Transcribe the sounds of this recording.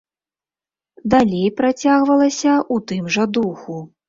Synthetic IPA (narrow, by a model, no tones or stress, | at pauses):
d̪alʲejpɾat͡sʲaɣvɐlˠɐsʲɐʔut̪ɨmʐɐd̪uxu